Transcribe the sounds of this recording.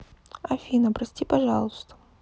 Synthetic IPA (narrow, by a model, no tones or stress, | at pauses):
ɐfʲinəpɾɐsʲtʲipɐʐɑlˠɨst̪ə̥